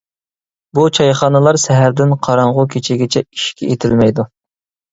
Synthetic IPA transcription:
but͡ʃʰɑjχɑːnɨlˠɑɾsɛɦæɾd̪ɪnqʰɑɾɑɴʁʊkʲʰet͡ʃʰɪɡʲɪt͡ʃʰɛiʃkʲʰɛ̰ʔet̪ʰɪlmɛjd̪u

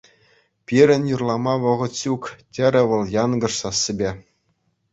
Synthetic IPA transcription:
pʲiɾʲɘ̆nʲjurlˠɑmɑʋɤ̆ʁɤ̆t̪ɕuktʲɘ̆ɾʲɘ̆ʋɤ̆lˠjɑnɡɤ̆ʂsɑsːɘ̆bʲe

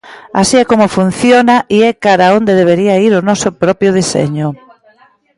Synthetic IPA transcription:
a̰siɛkomʊfun̟θjonaʔiɛkaɾaond̪eðeβeɾiaiɾʊnɔsʊpɾɔpjʊð̞isḛɲʊ

